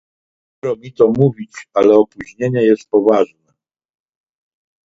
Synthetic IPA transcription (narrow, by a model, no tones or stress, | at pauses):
ɾɔmʲit̪ɔmuvʲit͡ɕalɛɔpuʑɲeɲɛjɛst̪̚pɔvaʐnɛ